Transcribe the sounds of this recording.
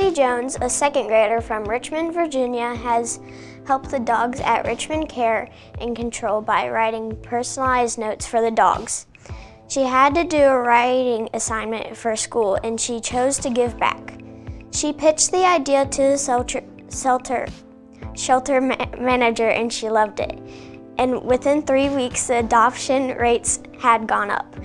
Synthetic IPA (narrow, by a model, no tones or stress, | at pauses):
id͡ʒõʊ̃nzɨsɛkɨ̃nɡɹeɪɾə˞fɹʌ̃mɹɪt͡ʃmɨ̃nvə˞d͡ʒɪ̃njɨɨz̥ | hɛlˠp̚t̪̚ðɨdɔɡzɨ̰ʔɹɪ̰t͡ʃmɨ̃nkʰɛɹ | ʔɨ̃nkɨ̃ntʰɹ̥oʊlˠbaɪɹaɪɾɪ̃ŋpʰɜ˞snl̩lˠaɪznoʊtsfə˞ðɨdɔ̰ɡz̥ | ʃiɨd̚tɨdɨːɹaɪɾɪ̃ŋɨsãɪ̃nmɨ̰̃ntfə˞skulˠɨ̃nʃit͡ʃʰoʊz̥tʰɨɡɪvbæ̰kʃipʰɪt͡ʃðiaɪdiɨɾʰɨðɨ | sɛlˠtʰə̰˞ | ʃɛlˠtə˞mænɨd͡ʒə˞ʔɨ̰̃nʃilʌvdɪ̰t | ʔɨ̃nwɪθɪ̃nθɹiwiksðiɨdɑpʃɨ̃nɹeɪts | ɨd̚ɡɔ̃nʌ̰p̚